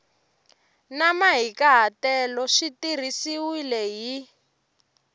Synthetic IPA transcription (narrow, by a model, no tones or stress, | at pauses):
namaɦikaɦatɛlɔʃitir̤isiwilɛɦi